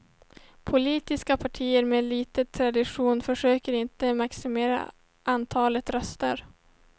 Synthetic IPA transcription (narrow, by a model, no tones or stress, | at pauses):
pʰʊliːt̪ɪskapʰaʈʰiːəɾmeːliːt̪ət̪ʰɾad̪ɪɧuːnfœʂøːkəɾɪnt̪əmaksɪmeːɾa̰ | ʔant̪ʰɑːlət̪ɾœst̪ə̰ɾ